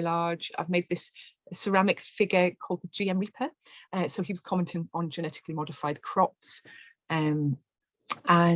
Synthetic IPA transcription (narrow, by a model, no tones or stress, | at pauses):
lɑːd͡ʒa̰ɪvmeɪd̪̚ðɪsəsəɹamɪkfɪɡəkʰɔːlˠd̪̚ðəd͡ʒiːɛ̃mɹiˑpʰəəsoʊiwɒz̥kʰɒmɛ̃ntʰɪ̃ŋə̃nd͡ʒənɛtɪ̥kʰlimɒdɪfaɪd̚kʰɹ̥ɒps | ə̃m | ə̃